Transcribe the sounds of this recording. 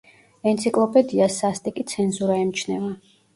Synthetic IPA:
ɛnt̪sʰikʼlˠɔpʼɛd̪iasast̪ʼikʼit̪sʰɛnzuɾaɛmt͡ʃʰnɛva

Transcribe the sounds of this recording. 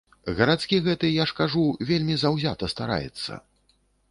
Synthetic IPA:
ɣɐɾat̪skʲiɣɛt̪ɨjaʂkaʐuvʲelʲmʲizawzʲat̪ɐst̪aɾa̰jɛ̰t̪sːɐ̰

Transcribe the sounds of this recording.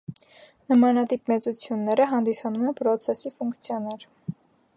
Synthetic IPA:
nəmɑnɑt̪ipmɛt͡sut͡sʰjunːɛɾəɦɑnd̪isɑnumɛnpɾɔt͡sʰɛsifuŋkt͡sʰjɑnɛɾ

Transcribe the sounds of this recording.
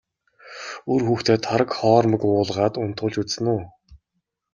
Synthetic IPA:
urxuːxt̪ʰeːt̪ʰaɾə̆kχɔːɾmə̆kʊːɮʁaːt̪ʊn̥t̪ʊːɮt͡ɕut͡ssɘ̆nʊː

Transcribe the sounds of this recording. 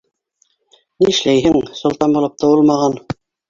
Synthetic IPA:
nĭʃlæjɦɘŋsŏlˠt̪ɑmbulˠɤp̚t̪ŏwɤlˠmɑʁɑn

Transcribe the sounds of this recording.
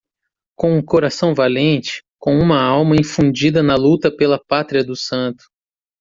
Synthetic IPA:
kõw̃ʊkoɾasɐ̃w̃valẽnt͡ʃɪ̥kõw̃ũmɐawmɐĩfũd͡ʒid̪ɐnɐlut̪ɐpelɐpat̪ɾiɐd̪ʊsɐ̃nt̪ʊ̥

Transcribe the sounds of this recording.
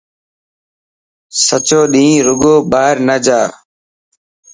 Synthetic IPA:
sət͡ʃoːɗĩːɾʊɡoːɓaːɪɾnəd͡ʒaː

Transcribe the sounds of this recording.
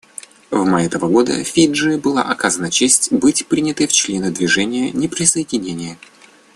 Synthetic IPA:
vmajɛt̪əvəɡo̞d̪ə̰fʲiʐɨbɨlˠa̰ʔɐkazənət͡ɕesʲtʲbɨtʲpɾʲinʲɪt̪əjft͡ɕlʲe̞nəd̪vʲɪʐɛnʲɪjənʲɪpɾʲɪsəɪdʲɪnʲenʲɪjə

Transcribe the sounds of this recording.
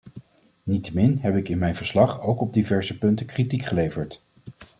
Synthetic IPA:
nitəmɪnɦɛpɪkɪnmɛjnvəɹslɑχowkɔb̚divɛɹzəpɵntəkritikχəlejvəɹt

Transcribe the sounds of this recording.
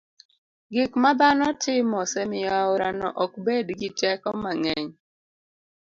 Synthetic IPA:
ɡɪkmabanɔtʰɪmɔsemɪaʊɾanɔ̰ʔɔkbedɡɪtɛkɔmaŋɛɲ

